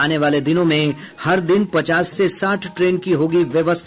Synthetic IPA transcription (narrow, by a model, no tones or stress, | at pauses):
aːneʋaːled̪ɪnõmẽ | hɐɾd̪ɪnpɐt͡ʃaːsːesaːʈʰʈɾeːnkiɦoːɡiʋjɐʋəst̪ʰ